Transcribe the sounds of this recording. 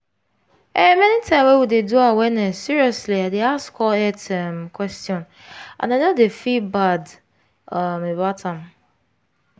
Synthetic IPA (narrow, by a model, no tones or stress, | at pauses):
ɛmɛ̃nĩtʰãɪ̃mɛwudeduawɛnɛsiɹiɔsliaɪdeaskɔlɛtʰɛ̃mkʰwɛstiɔ̃n | ã̰nanodefibad | amebatʰãm